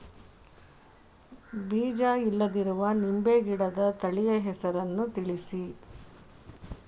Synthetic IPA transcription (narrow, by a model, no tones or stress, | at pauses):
biːd͡ʒaːilːɐd̪iɾuʋɐnimbeːɡiɽɐd̪ɐt̪ɐɭijɐɦɛsɐɾɐnːut̪iɭisi